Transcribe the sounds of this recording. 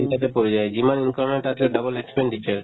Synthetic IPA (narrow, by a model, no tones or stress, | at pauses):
int̪at̪epoɾed͡ʑaed͡ʑimaninkaɾmeʈat̪ɾeɖabolekspeɳɖiʃaɾ